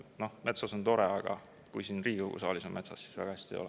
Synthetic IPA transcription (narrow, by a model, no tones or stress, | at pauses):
no̞hme̞t̪sɑso̞nt̪o̞ɾeɑɡ̥ɑ̰ | kujsinriːkɤwɡ̥ṵsɑ̰ːlisomme̞t̪sɑsːi̥svæ̰ɡ̥ɑhæsʲt̪iḛjolɛ